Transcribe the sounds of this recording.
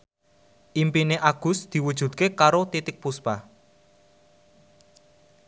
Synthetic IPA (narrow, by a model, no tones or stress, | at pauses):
ʔimpineʔaɡ̥ʊ̤sd̪̥i̤wud̥ʒ̥ṳd̪̚kekaɾot̪it̪ɪk̚puspa